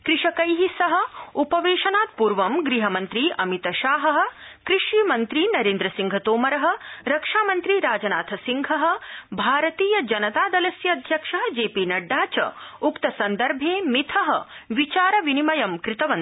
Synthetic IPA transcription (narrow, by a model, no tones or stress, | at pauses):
kɾiʂɐkɐjɦisɐɦɐ̆upɐʋeːʃɐnaːt̪̚puːɾʋɐmɡɾiɦɐmɐnt̪ɾiʔɐmit̪ɐʃaːɦɐɦɐ̆kɾɪʂimɐnt̪ɾinɐɾeːnd̪ɾɐsiŋɡʱɐt̪oːmɐɾɐɦɐ̆ɾɐkʂaːmɐnt̪ɾiɾaːd͡ʒɐna̰ːt̪ʰɐsiŋɡʱɐɦɐ̆bʱaːɾɐt̪iːjɐd͡ʒɐnɐt̪aːd̪ɐlɐsjɐːd̪ʱjɐkʂɐɦd͡ʒeːpiːnɐɖːaːt͡ʃɐ̰ukt̪ɐsɐnd̪ɐɾbʱeːmit̪ʰɐɦɐʋit͡ʃaːɾɐʋinimɐjɐmkɾɪt̪ɐʋɐn